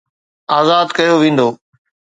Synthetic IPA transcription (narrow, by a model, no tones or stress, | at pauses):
aːzaːd̪kɐjoʋĩːn̆d̪oː